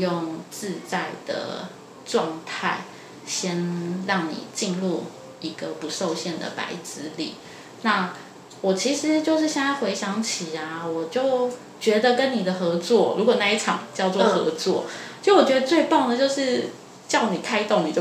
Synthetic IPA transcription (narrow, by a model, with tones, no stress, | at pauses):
jo˥˨ŋt͡sɹ̩˥˧t͡sa˥˩ɪd̪ə̰˩ | ʈ͡ʂwɑ˥˧ŋt̪ʰa˥˩ɪ | ɕjɛ˥nɻɑ˥˩ŋnḭ˨˩t͡ɕi˥˧nlu˥˩ | i˧˥ɡə˨pu˧˥ʂo˥˧ʊɕjɛ˥˩nd̪ə̰˨˩pa̰˧˥ɪt͡sɹ̩˥lḭ˨˩ | na˥˩ | wɔ˨˩t͡ɕʰi˧˥ʂɻ̩˧˦t͡ɕjo˥˧ʊʂ̬ɻ̩˥˧ɕjɛ˥˧na˥˩ɪxwe˧˥ɪɕjɑ˧˥ŋt͡ɕʰi˨˩a˦wɔ˨˩t͡ɕjo˥˩ʊ | t͡ɕɥɛ˧˥d̪ə˧kə˦˥nni˨˩d̪ə˩xɤ˧˥t͡swɔ˥˩ɻu˧˥kwɔ˨˩na˥˧i˥˩ʈ͡ʂʰɑ˨˩ŋt͡ɕjɑ˥˧ʊt͡swɔ˥˩xɤ˧˥t͡swɔ̰˥˩t͡ɕwɔ˨˩t͡ɕɥɛ˥ə˧t͡swe˥˧ɪpɑ˥˩ŋd̪ə˨˩t͡ɕjo˥˧ʊʂɻ̩˥˩ | t͡ɕjɑ˥˩ʊni˨˩k̪ʰa˥˧ɪt̪o˥˧ŋni˨˩t͡ɕo˥